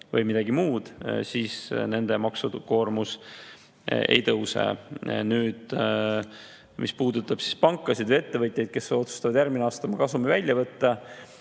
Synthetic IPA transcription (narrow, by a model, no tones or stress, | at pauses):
vɤjmid̪̥ɑɡimuːd̪̥siːsne̞nd̪̥e̞mɑksuko̞ːrmus | ḛjt̪ɤwsḛnyːd̪̥ | mʔispuːd̪ut̪ːˑɑb̥si̥spɑŋkːˑɑsid̪ve̞t̪ːe̞vɤt̪ʲˑjɑjd̪̚ke̞so̞t̪su̥st̪ɑvɑd̪jæɾɡmineɑːst̪ɑmɑkɑsumivælʲjɑvɤt̪ːɑ